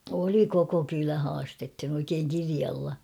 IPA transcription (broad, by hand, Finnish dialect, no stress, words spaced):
oli koko kylæ hɑːstethin oikeːŋ kiriɑlːɑ